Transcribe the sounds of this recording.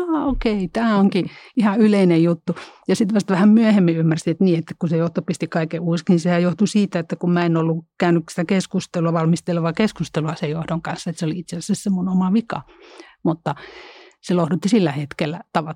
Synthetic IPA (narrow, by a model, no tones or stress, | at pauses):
ɑːokeit̪æːoŋkiihɑyleinejjut̪ːujɑsit̪ʋɑst̪ʋæhæmmyæhemːiymːærsiet̪niːet̪ːæ̥kkusejoht̪opist̪ikɑikeuːsknisehæjoht̪usiːt̪æet̪ːækummæenolːukæynyksi̥t̪ækeskust̪eluɑʋɑlmist̪eleʋɑkeskust̪eluɑsejohdoŋkɑnsːɑet̪seoliit̪sesæsːæssemːunomɑʋikɑ̰ | mut̪ːɑselohdut̪ːisilːæhet̪kelːæt̪ɑʋɑ